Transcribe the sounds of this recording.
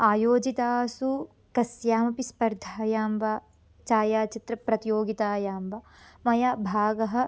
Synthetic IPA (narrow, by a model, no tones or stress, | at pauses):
aːjoːd͡ʒit̪aːsu | kɐsjaːmɐpispɐɾd̪ʱaːjaːmʋaː | t͡ʃaːjaːt͡ʃit̪ɾɐpɾɐt̪joːɡit̪aːjaːmʋa | mɐjaːbʱaːɡɐɦɐ̆